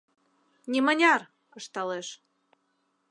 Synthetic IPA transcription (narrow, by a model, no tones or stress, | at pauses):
nʲimənʲɑr | əʃt̪ɑleʃ